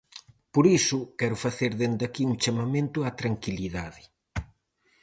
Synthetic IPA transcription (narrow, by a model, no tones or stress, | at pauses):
poɾisʊkɛɾʊfaθeɾðend̪akiuŋt͡ʃamamẽnt̪ʊat̪ɾaŋkiliðaðɪ